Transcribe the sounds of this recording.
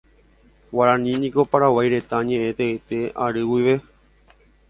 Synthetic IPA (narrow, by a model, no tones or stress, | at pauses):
waɾãnĩnĩko̞paɾawajɾe̞t̪aɲẽ̞ʔẽt̪eet̪e̞aɾɨwiʋe̞